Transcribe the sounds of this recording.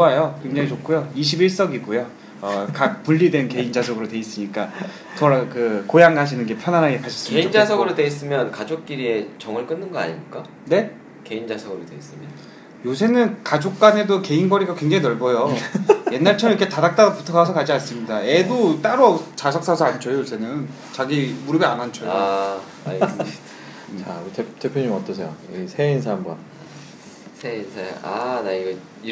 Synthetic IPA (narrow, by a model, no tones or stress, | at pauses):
oajokwe̞ŋd͡ʑaŋit͡ɕok͈ʰujoiɕ̬ʰibiɭs͈ʌɡiɡujo | ʌkak̚puʎːidwe̞nke̞ind͡ʑasʰʌɡɯɾotwe̞is͈ɯɲik͈a | tʌɾakɯkojaŋaɕ̬ʰinɯnɡe̞pʰjʌnanɦaɡe̞kaɕʰʌ̥s͈ɯmind͡ʑasʰʌɡɯɾode̞is͈ɯmjʌnkad͡ʑok̚k͈iɾie̞t͡ɕʌŋɯɭk͈ɯnːɯnɡʌa̰ɲḭɲik͈a | ne̞ | ke̞ind͡ʑasʰʌɡɯɾodwe̞is͈ɯmjʌn | josʰe̞nɯnkad͡ʑok̚k͈ane̞doke̞inɡʌɾiɡakwe̞ŋd͡ʑaŋinʌɭbʌjoje̞nːaɭt͡ɕʰʌmiikʰetadak̚t͈adopu̥tʰʌɡasʰʌkad͡ʑians͈ɯmɲidae̞dot͈aɾot͡ɕasʰʌk̚s͈asʰʌant͡ɕʰʌjojosʰe̞nɯn | t͡ɕaɡimuɾɯbiamant͡ɕʰʌjo | t͡ɕaetet͈epʰjoɲimʌt͈ʌs̬ʰejo̰isʰeinsʰambʌ̰n | sʰeinsʰa̰a̰naiɡʌ | i